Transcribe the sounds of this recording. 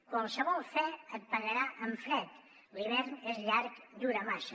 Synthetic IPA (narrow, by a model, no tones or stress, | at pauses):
kwalˠsəβɔlˠfɛət̪̚paɣaɾaʔəɱfɾɛt̪ | liβɛɾnezʎaɾkd̪uɾamaʃɐ